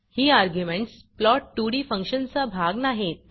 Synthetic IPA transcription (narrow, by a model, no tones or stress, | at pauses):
hiːaɾɡjumeɳʈs | plɔʈ̚ːuɽiːfə̃ŋkɕənt͡sabʱaɡnaɦet̪̚